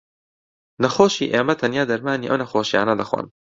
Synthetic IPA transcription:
nɐxoːʃḭːʔeːmɐt̪ʰɐnjaːd̪ɐɾmaːniːʔɐ̰wnɐxoːʃija̰ːnɐd̪ɐxwa̰ːn

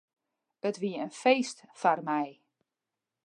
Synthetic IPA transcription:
ətʋiənfejstfarmɛj

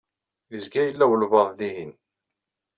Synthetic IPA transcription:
jəzɡæjəlːæwəlvɑðˤðiɦin

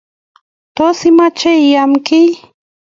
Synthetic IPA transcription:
t̪osɪmat͡ʃejjamkɪj

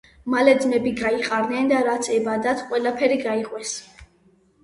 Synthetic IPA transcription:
malɛd̪zmɛbiɡaiqʼaɾnɛnd̪aɾat̪sʰɛbad̪at̪ʰqʼwɛlapʰɛɾiɡaiqʼwɛs

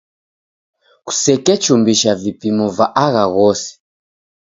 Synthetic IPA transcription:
ku̥sɛkɛt͡ʃumbiʃavipimɔvaʔaɣaɣɔsɛ̥

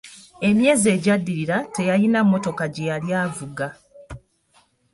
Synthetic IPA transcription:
e̞mje̞ːze̞ːɟadːiɾiɾate̞jajinamːo̞to̞kaɟe̞jaljaːvuɡa

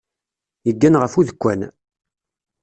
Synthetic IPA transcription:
jəɡːænʁəfuðəkʷːæn

